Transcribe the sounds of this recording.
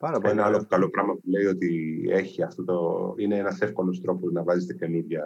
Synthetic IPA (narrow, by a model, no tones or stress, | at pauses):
enɐɐlo̞kɐlo̞pɾɐmɐpule̞io̞t̪ie̞çiɐft̪o̞t̪oine̞enɐsefko̞lo̞st̪ɾo̞po̞znɐvɐzet̪e̞kemiðʝɐ